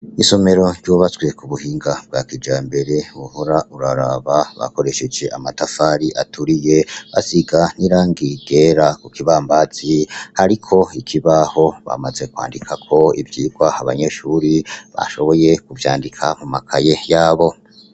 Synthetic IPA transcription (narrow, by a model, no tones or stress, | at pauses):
iso̞me̞ɾo̞ɾɟuβat͡sɡwe̞kuβuhiːŋɡab̥̚ɡaːkid͡ʒaːmbe̞ɾe̞βuhoɾaʔuɾaɾaβaβa̰ko̞ɾe̞ʃe̞d͡ʒe̞ʔamatafaɾiʔatʰuɾije̞βa̰siɡaniɾaːŋɡid̥e̞ɾakukiβaːmbaz̥ihaɾikʰo̞ikʰiβaho̞βa̰maze̞kwa̰ːndikʰakʰo̞ivjiːɡwahaβaɲe̞ʃuːɾiβa̰ʃo̞βo̞je̞kuvja̰ːndikʰamumakʰaje̞jaːβo̞